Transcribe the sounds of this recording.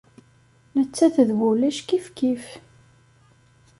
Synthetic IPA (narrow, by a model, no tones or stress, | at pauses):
nət͡sːæθəðvulæʃkifkif